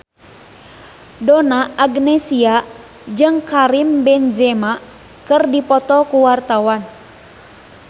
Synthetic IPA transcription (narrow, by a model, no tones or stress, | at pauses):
dɔnaːɡnɛsia | d͡ʒɨŋkaɾimbɛnd͡ʒɛma | kɨrdipɔt̪ɔkuwart̪awan